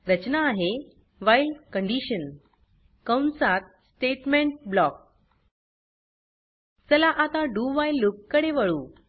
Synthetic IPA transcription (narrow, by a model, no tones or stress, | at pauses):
ɾət͡ɕnaːɦe | ʋajlkəɳɖiɕən | kəwnsat̪̚sʈeʈmẽɳʈ̚blɔk̚ | səlaʔat̪aɖuʋajlːukːəɽeʋəɭuː